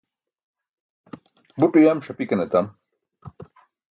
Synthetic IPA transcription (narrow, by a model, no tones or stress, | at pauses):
buʈujamɕɐpikɐnet̪am